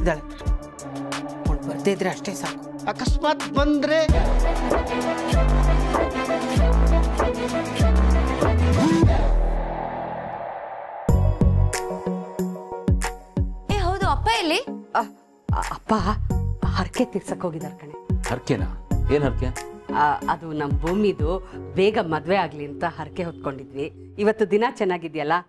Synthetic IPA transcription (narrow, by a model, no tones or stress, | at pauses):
id̪aːɭe | koɳɖbɐɾd̪ejd̪ɾeɐʂʈesaːku̥ | ɐkɐsmaːt̪bɐnd̪ɾe | eːɦɐwd̪uɐpːaelːi | ɐpːa | hɐɾke̞t̪iɾsɐkːɦoːɡid̪aːɾkɐɳe̞hɐɾkena̰eːnɦɐɾke | ɐd̪unɐmbʱuːmid̪ubeːɡɐmɐd̪ʋeaːɡliɐnt̪ɐɦɐɾkeɦot̪̚ko̞ɳɖid̪ʋiː | ʋɐt̪ːud̪inat͡ʃɛnːaːɡid̪jɐlːɐ